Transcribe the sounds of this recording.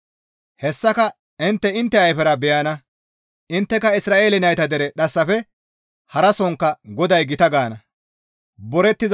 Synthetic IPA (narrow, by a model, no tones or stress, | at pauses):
hɛsːɐkɐ | ɪnt̪ːɛɪnt̪ːɛɐjfɛɾɐbɛjanɐ | ɪnt̪ːɛkɐɪsɾaːʔeːlɪnɐjt̪ɐd̪ɛɾɛɗɐsːɐfɛ | hɐɾɐsɔŋkːɐɡɔd̪ɐjɡɪt̪ɐɡaːnɐ | bɔɾɛt̪ːɪz